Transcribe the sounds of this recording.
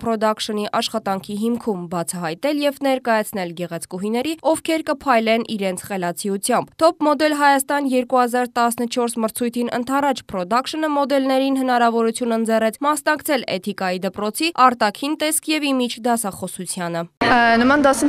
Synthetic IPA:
pʰɾɔd̪ɑkʃəniʔɑʃχɑt̪ɑŋkʰiɦimkʰumbɑt͡sʰɑɦɑjt̪ɛljɛvnɛɾkɑjɑt͡sʰn̪ɛlɡɛʁɛt͡sʰkuɦinɛɾiɔvkʰɛɾkəpʰɑjlɛnʔiɾɛnt͡sʰχɛlɑt͡sʰiut͡sʰjɑmbt̪ʰɔpmɔd̪ɛlɦɑjɑst̪ɑnjɛɾkuhɑzɑɾt̪ɑsnət͡ʃʰɔɾsməɾt͡sʰujt̪ʰinʔə̰nt̪ʰɑrɑt͡ʃʰpʰɾɔd̪ɑkʃənəmɔd̪ɛlnɛɾinɦənɑɾɑvɔɾut͡sʰjunənd͡zɛrɛt͡sʰmɑsnɑkt͡sʰɛlɛ̰t̪ʰikɑjid̪əpɾɔt͡sʰiɑɾt̪ɑkʰint̪ɛskʰjɛvimit͡ʃʰd̪ɑsɑχɔsut͡sʰjɑnənəmɑnd̪ɑsi

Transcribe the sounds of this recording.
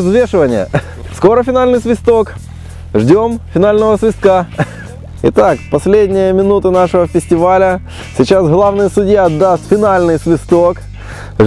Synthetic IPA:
zvʲeʂɨvənʲɪ̰jə̰ | sko̞ɾəfʲɪnalʲnɨjsvʲɪst̪o̞k | ʐdʲo̞mfʲɪnalʲnəvəsvʲɪst̪̚ka | ɪ̰t̪akpɐsʲlʲedʲnʲɪjəmʲɪnut̪ɨnaʂɨvəfʲɪsʲtʲɪvalʲə | sʲɪt͡ɕasɦlˠavnɨjəsʊdʲjaɐd̪ːast̪fʲɪnalʲnɨjsvʲɪst̪ok

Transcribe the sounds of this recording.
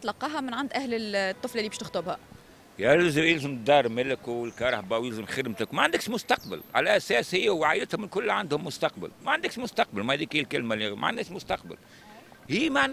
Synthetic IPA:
t̪lɑqːɑːɦɑmɪnʕand̪ʔæhlɪt̪ˤːɨflɑlibiʃt̪ʊxt̪ˤʊbhæ | jælzɪjɪlzəm̚d̪ɑrˤmɪlkəlkɑɾˤɑħbæwjɪlzəmxɪd̪mt̪əkwmæʕand̪əkʃmʊst̪ɑqbə̰lʕa̰læʔæsɛːshɪjːæwʕajd̪ɪt̪hʊmɪlkʊlːʕand̪hʊmːʊst̪ɑqbə̰lmæʕand̪əkʃmʊst̪ɑq̚bəlmææd̪iːkiːlkɪlmælima̰ʕa̰nːɛːsmʊst̪ɑqbə̰l | hiːman

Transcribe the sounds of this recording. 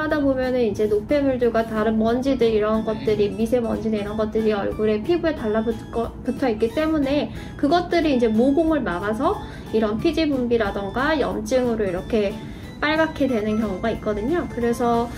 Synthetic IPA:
adabomjʌnɯnind͡ʑe̞nopʰe̞muɭduɡataɾɯnmʌnd͡ʑidɯɾiɾʌnɡʌt̚t͈ɯɾimisʰe̞mʌ̰nd͡ʑinenʌnɡʌt̚t͈ɯɾiʌ̰ɭɡuɾe̞pʰibue̞taɭːabk͈ʌputʰʌit̚k͈it͈e̞mune̞ | kɯɡʌt̚t͈ɯɾiːnd͡ʑe̞moboŋɯɭmaɡas̬ʰʌ | iɾʌnpʰid͡ʑibumbiɾadʌŋɡajʌ̰mt͡ɕ͈ɯŋɯɾoiɾʌkʰe̞ | p͈aɭɡakʰedwe̞nɯnkjʌŋuɡait̚k͈ʌdɯɲokɯɾe̞sʰʌ

